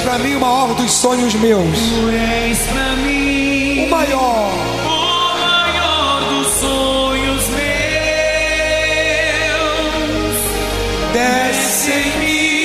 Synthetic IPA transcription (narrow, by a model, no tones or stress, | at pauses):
pɾɐmĩumɐɔɾɐd̪ʊssõɲʊzmewsu | ɛ | spɾɐmĩ | ʊmajɔ | ɾ | ʊ | majɔ | ɾd̪ʊs | õ | ɲʊzme | w | s | d̪ɛ | se | mi